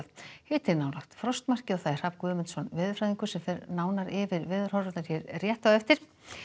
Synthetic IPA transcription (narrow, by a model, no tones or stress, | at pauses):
ðhɪːt̪ɪnaːwlaxt̪fɾɔst̪mar̥cɪɔθaɪr̥ap̚kvʏːmɪnt̪sɔnvɪːðʏfɾajðiŋkʏ̥sɛmfɛɾnaːwnaɾɪvɪɾvɪːðʏɾ̥hɔɾʏt̪naɾ̥çɛɾrjɛht̪aɛft̪ɪɾ̥